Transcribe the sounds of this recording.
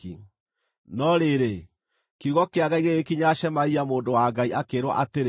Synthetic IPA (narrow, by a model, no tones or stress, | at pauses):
i | nɔɾeɾe | keuɣɔkeaɣaiɣeɣekiɲaʃɛmaiamoːndowaːɡaiʔakeɾwɔ̰ʔateɾ